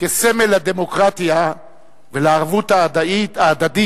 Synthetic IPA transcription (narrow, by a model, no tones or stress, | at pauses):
keseme̞lad̪emo̞kʁat̪ija | veleaʁvut̪adaiaːd̪ad̪i